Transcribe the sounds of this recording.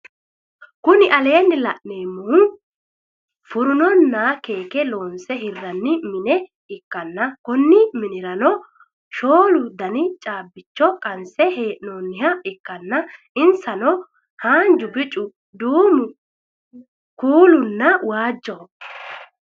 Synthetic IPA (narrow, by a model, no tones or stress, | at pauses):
kʊnɪʔɐle̞ːnːɪlɐʔneːmːʊhʊ | fʊɾʊnɔnːake̞ːkɛlo̞ːnsɛɦɪrːɐnːɪmɪnɛ | ɪkːɐnːɐkʊnːɪmɪnɪɾɐnɔ | ʃoːlʊd̪ɐnɪt͡ʃʼaːbːɪt͡ʃːɔkʼɐnsɛheːʔnoːnːɪhɐɪkːɐnːɐ | ɪnsɐnɔ | haːnd͡ʒʊbɪt͡ʃʼʊ | d̪uːmʊ | kuːlʊnːɐwaːd͡ʒːɔ